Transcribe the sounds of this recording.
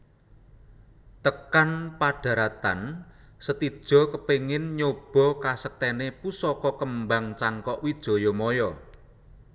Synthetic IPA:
t̪əkanpaɖ̥a̤ɾat̪a̰n | sət̪i̥ʒ̥ɔ̤kəpeŋɪnɲob̥ɔ̤kasək̚t̪ɛnepusɔkɔkəmbaŋt͡ʃaŋkɔʔwid̥ʒ̥ɔ̤jɔmɔjɔ

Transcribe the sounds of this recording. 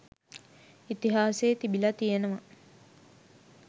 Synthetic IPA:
it̪iɦaːseːt̪ibilɐt̪ijenəʋɐ

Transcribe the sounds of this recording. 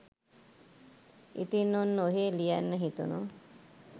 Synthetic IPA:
ḭt̪inːonːoɦeːlijanːəɦit̪unu

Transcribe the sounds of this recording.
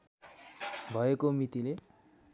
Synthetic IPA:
bʱʌekomit̪ile

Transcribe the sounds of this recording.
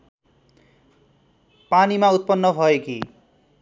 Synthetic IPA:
panimaut̪̚pʌnːʌbʱʌeki

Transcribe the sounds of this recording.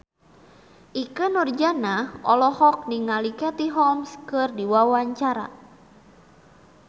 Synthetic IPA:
ʔikənɔrd͡ʒanaʔɔlɔhɔk̚niŋalikat̪iɦɔmskɨrdiwawaɲt͡ʃaɾa̰

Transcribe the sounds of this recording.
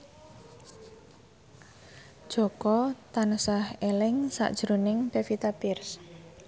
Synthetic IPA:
d̥ʒ̥o̤kɔt̪anusahelɪŋsa̰ʔd̥ʒ̥ɾonɪŋpefit̪apɪrs

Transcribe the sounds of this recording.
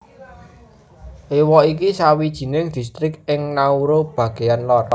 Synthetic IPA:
ʔewɔik̬isawid̥ʒ̥i̤nɪŋd̪̥i̤st̪ɾɪkɪŋnauɾob̥ä̤ɡ̥e̤janlɔɾɔ

